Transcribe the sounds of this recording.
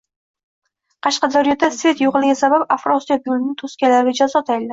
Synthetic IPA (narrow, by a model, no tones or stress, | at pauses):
qʰɑʃqɑd̪ɒɾijat̪ːasvʲe̞t̪joʁɨlˠɪɡʲasabapafɾosijabjulɪnɪŋt̪ʰoskʲalaɾɪd͡ʒazɒt̪ʰajɪld̪ɪ